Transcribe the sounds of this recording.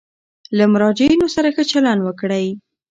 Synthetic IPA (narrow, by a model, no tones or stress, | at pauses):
lamʊɾɑd͡ʒainosaɾaxət͡ʃalanwəkɽaj